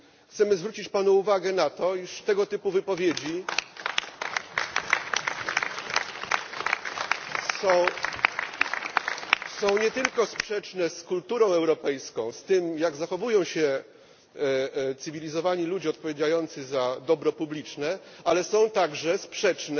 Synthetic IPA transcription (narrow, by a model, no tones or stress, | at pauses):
xt̪sɛmɘzvɾut͡ɕit͡ɕpanuuvaɡɛnat̪ɔiʂt̪ɛɡɔt̪ɘpuvɘpɔvʲjed͡ʑi | sɔ̃w̃ | sɔ̃w̃ɲɛt̪ɘlkɔspʂɛt͡ʂnɛskult̪uɾɔ̃w̃ɛwɾɔpɛjskɔ̃w̃st̪ɘmjaɡzaxɔvujɔ̃w̃ɕɛ | t̪sɘvʲilʲizɔvaɲilud͡ʑiɔt̪̚pɔvʲjed͡ʑajɔnt̪sɘzad̪ɔbɾɔpublʲit͡ʂnɛ | alɛsɔ̃w̃t̪aɡʐɛspʂɛt͡ʂnɛ